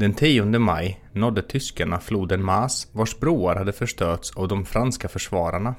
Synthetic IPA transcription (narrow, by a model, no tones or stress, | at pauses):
d̪̥ɛnt̪ʰiːʊnd̪əmajnɔd̪ːət̪ʰʏskaɳafluːd̪ənmaːsvaʂbɾuːaɾhad̪ːəfœʂtøːt̪savd̪ɔmfɾanskafœʂvɑːɾaɳa